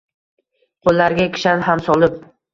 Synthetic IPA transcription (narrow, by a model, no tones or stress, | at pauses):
qʰolˠːaɾɡʲakʲʰɪ̥ʃanɦamsɒlˠɪp̚